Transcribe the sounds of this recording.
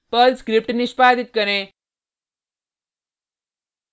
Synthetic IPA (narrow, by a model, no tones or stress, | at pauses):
pəlskɾɪpʈnɪʃpaːd̪it̪̚kəɾẽ